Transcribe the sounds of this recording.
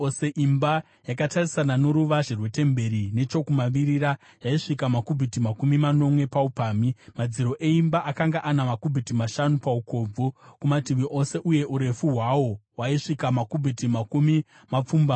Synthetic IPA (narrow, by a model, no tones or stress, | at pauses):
oseʔimba | jakatarisanano̞ɾuʋaʐirwe̞tembe̞ɾine̞t͡ʃo̞kumaʋiɾiɾa | jaiʂikamakubʱitimakumimano̞mwe̞paupaːmimad͡ziɾo̞ʔe̞imbaʔakaŋɡaʔanamakubʱitimaʃanupauko̞b͡vukumatiʋiʔo̞se̞ʔuje̞ʔuɾe̞fuɦwawo̞waiʂikamakubʱitimakumi | map͡fumba